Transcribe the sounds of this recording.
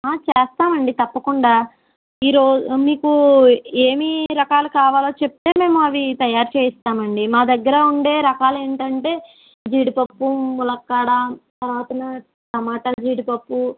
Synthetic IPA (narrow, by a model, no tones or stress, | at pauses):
aːt͡ʃɛːst̪aːmɐɳɖit̪ɐpːɐkuɳɖaː | iːɾoːmiːkueːmiɾɐkaːlukaːʋaːloːt͡ʃep̚t̪e̞ːme̞ːmuɐʋit̪ɐjaːɾt͡ʃeːist̪aːmɐɳɖimaːd̪ɐɡːɐɾɐuɳɖe̞ːɾɐkaːleːɳʈɐɳʈe̞ː | d͡ʒiːɽipɐpːumulɐkːaːɽɐt̪ɐɾʋaːt̪ɐnɐ | ʈɐmaːʈɐld͡ʒiːɽipɐpːu